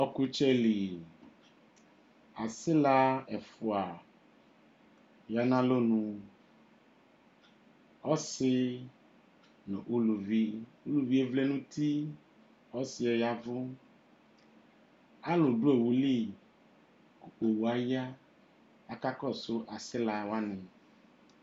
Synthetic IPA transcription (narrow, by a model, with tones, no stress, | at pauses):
ɔ˦ku˦t͡ʃe˦li˨ | a˨sɪ˦la˦ɛ˨fʊ˨a˨ | ja˨nã˦lo˦nũ˦ | ɔ˦sɪ˦ | lo˨ʔu˦lu˨vi˦u˦lu˨vi˦e˨vle˦nũ˦t̪ʰi˦ | ɔ˦sɪ˨ɔ˨ja˨vʊ˦ | a˦lʊ˨dʊ˦e˨wu˨li˦ | ku˨o˨wu˨a˨ja˦ | a˨ka˦kɔ˦˨sʊ˦ʔa˨sɪ˦la˨wa˦nɪ̃˨